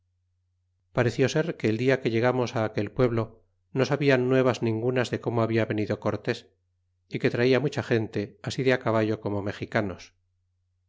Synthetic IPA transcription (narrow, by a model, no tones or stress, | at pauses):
paɾe̞θjo̞se̞ɾke̞ːld̪iake̞ʎe̞ɣ̞amo̞saːke̞lpwe̞βlo̞ | no̞saβianːwe̞β̞aznĩŋɡunazðe̞ko̞moaβiaβe̞niðo̞ko̞ɾt̪e̞s | ike̞t̪ɾaiamut͡ʃaχe̞nt̪e̞asiðeakaβ̞aʎo̞ko̞mo̞me̞xikano̞s